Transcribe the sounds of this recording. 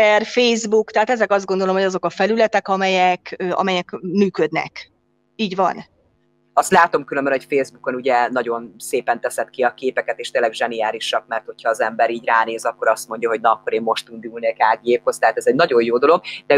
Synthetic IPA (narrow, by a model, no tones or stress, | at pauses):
ɛrfeːzbukt̪ɛɦaːt̪ɛzɛkɒzd̪ɡo̞nd̪olo̞mhoɒzo̞kɒfɛlylɛt̪ɛkɒmɛjɛkøːʔɒ̰mɛjɛkmyːkød̪nɛ̰k | iːɟʋɒ̰n | ɒst̪laːt̪o̞mkylømbɛnocfeːzbuko̞nuɟɛnɒɟo̞nseːpɛnt̪ɛsɛt̪kiɒkeːpɛkɛt̪eːʃt̪eːnlɛɡʒɛniaːɾiʃɒkmɛrt̪ho̞cʰhɒːzɛmbɛɾiːɟraːneːzɒkːo̞ɾɒst̪mo̞ɲɟjɒɦo̞ɟnɒɒkːo̞ɾeːmːo̞ʃt̪und̪ulneːkaːɡijeːpho̞z̥t̪ɛɦaːt̪ɛzɛɟnɒɟo̞joːd̪o̞lo̞ɡ̚d̪ɛ